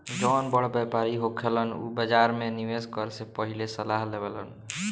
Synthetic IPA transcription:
d͡ʒɔnbəɽbepaɾiɦokʰelənṵbəd͡ʒaɾmeniʋeskəɾsepəɦilesəlaɦlebelə̰n

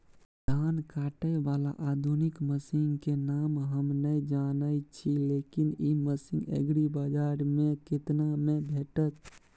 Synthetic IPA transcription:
d̪ʱankaʈəʋala̰ʔad̪ʱunikməsiŋɡkenamɦəmnəjd͡ʒanəjt͡ʃʰilekiniməsĩŋɡḛɡɽibəd͡ʒaɾmekit̪namebʱeʈət̪̚

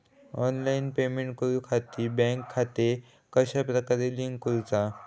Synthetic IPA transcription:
ɔnlainpemẽɳʈkuɾukʰat̪ibɛ̃ŋkʰːat̪e | kəɕapɾəkaɾeliŋɡkuɾut͡sa

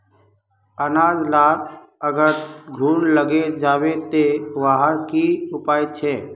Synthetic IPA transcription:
ənaːd͡ʒ̪laːɾ | əɡəɾɡʱuːnləɡed͡ʒaːwet̪eʋaɦəɾkiʊpaːit͡ʃʰeː

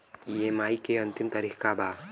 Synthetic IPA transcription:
ieːmaːikeɐnt̪ɪmt̪aɾixkabaː

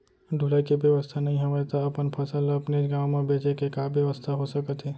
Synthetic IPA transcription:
ɖ̪ʱulaːikebjəʋəst̪ʰanɐɦĩɦɐʋat̪aɐpənpʰəsəlɐpneɡaːwmẽbeːt͡ʃekekabjəʋəst̪ʰaɦosəkət̪ɦɛː

